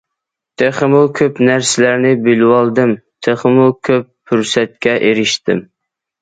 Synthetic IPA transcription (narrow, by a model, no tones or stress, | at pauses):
t̪ʰeχɪmukʲʰøpnæɾsɪlæɾnɪbɪlwɑlˠd̪ɨmt̪ʰeχəmukʲʰøpːʰyɾsɛt̪̚kʲɛʔeɾɪʃt̪ɪm